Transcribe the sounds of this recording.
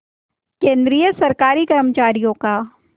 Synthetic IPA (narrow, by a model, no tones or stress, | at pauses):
kẽːnd̪ɾijəsɐɾkaːɾikɐɾmət͡ʃaːɾijõkaː